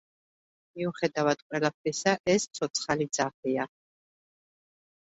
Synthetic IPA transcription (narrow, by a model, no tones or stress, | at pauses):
miuχɛd̪avad̪̥qʼwɛlap̚ʰɾisaʔɛst̪sʰɔt̪sʰχalid̪zaχia